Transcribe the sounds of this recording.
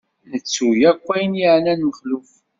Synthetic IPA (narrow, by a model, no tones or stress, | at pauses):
nət͡sːujækʷːæjənjiʕnænəχluf